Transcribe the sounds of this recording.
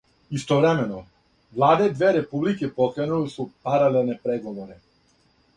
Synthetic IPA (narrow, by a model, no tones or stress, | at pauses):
ist̪ɔvɾɛmɛnɔ | vlˠad̪ɛd̪vɛɾɛpublikipɔkɾɛnulisupaɾalɛlˠnɛpɾɛɡɔvɔɾɛ